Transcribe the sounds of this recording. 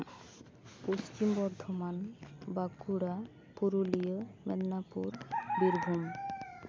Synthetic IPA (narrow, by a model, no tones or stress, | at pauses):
post͡ʃimbɔɾd̪ʱɔmanbakuɽa | puɾulijəmɛdnapuɾbiɾbʱum